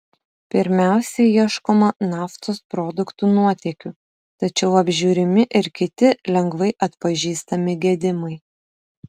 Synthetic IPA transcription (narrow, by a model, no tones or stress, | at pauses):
pʲɪɾʲmʲæˑʊsʲɛiɛʃkoːmɐnɑːft̪oːspɾɔːd̪ʊkt̪uːnuɔt̪ʲɛkʲu | t̪ɐt͡ʃʲɛʊɐbʲʒʲuːɾʲɪmʲɪʔɪɾkʲɪt̪ʲɪlʲɛŋɡʋɐɪʔɐt̪pɐʒʲiːst̪ɐmʲɪɡʲiɛːd̪ʲɪmɐɪ